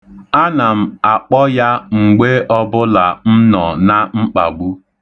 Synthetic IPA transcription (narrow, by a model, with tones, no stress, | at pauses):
a˦na˨m̩˨a˨k͡pɔ˦ja˦ŋ͡m̩˨ɡ͡be˦ɔ˦bʊ˦la˨m̩˦nɔ˨na˦ŋ͡m̩˦k͡pa˨ɡ͡bu˦